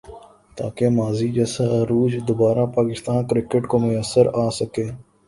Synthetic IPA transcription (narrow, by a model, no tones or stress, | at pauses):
t̪a̰ːkemaːziːd͡ʒəsaɾuːd͡ʒd̪obaːɾaːpaːkɪst̪ãːnkɾɪkəʈkoːmʊjəsːəɾaːsəkeː